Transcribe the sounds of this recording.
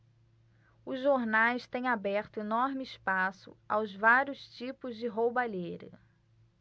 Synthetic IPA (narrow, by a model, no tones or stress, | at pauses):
ʊzʒoɾnajst̪ẽj̃abɛɾt̪ʊenɔɾmɪɪspasʊ̰a̰wzvaɾjʊst͡ʃipʊzd͡ʒɪɦowbaʎejɾɐ̰